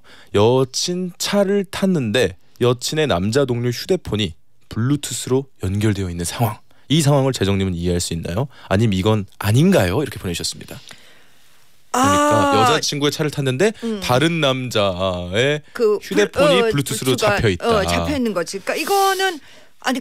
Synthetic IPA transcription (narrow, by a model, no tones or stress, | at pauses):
jʌt͡ɕʰint͡ɕʰaɾɯɭtʰanːɯnde̞ | jʌt͡ɕʰine̞namd͡ʑadoŋɲuçʰude̞pʰoɲi | puɭːutʰɯsʰɯɾojʌnɡjʌɭdwe̞jʌinːɯnsʰaŋwaŋ | is̬ʰaŋwaŋɯɭt͡ɕe̞d͡ʑʌŋɲimɯniɦeɦaɭs͈uinːa̰joaɲimiɡʌnaɲinɡajoiɾʌkʰeponeɕʰʌs͈ɯmɲida | aajʌd͡ʑat͡ɕʰiŋɡue̞t͡ɕʰaɾɯɭtʰanːɯnde̞taɾɯnːamd͡ʑae̞kɯçudde̞pʰoɲipuɭːutʰɯsʰɯɾot͡ɕapʰjʌittajʌinːɯnɡʌd͡ʑik͈aiɡʌnɯn | a̰